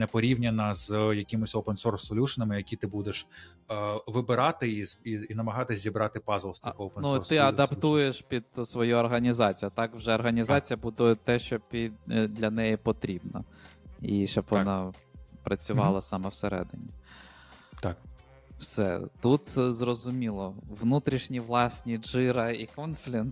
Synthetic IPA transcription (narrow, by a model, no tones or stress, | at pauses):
nɛpɔɾʲiwnʲɐnɐzjɐkʲɪmʊsʲopensɔrsɔlʲuʃɐnɐmɪjɐkʲit̪ɪbud̪eʃ | ʋɪbɪɾɑt̪ɪiziinɐmɐɦɑt̪ɪsʲzʲibɾɑt̪ɪpɑzlˠst̪ɐkoːpennusɔrst̪ɪɐd̪ɐpt̪ujeʃpʲid̪̥sʋɔjuɔrɦɐnʲizɑt͡sʲijʊt̪ɑkwʒɛɔrɦɐnʲizɑt͡sʲijɐbud̪ujt̪ɛʃt͡ʃɔpʲid̪d̪lʲɐnɛjipɔt̪ɾʲibnɔ̰iʃt͡ʃɔbʋɔnɑpɾɐt͡sʲʊʋɑlˠɐsɑmɛwseɾɛ̰d̪ɪ̰nʲi | t̪ɑk̚ | wsɛ̰t̪ut̪zrɔzʊmʲilˠɔʋnut̪ɾʲiʃnʲiʋlˠɑsʲnʲiʒɪɾɐikɔnflʲi